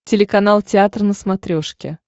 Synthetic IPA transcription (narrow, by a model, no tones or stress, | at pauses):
tʲɪlʲɪkɐnalˠtʲɪat̪rənəsmat̪ɾʲo̞ʂkʲɪ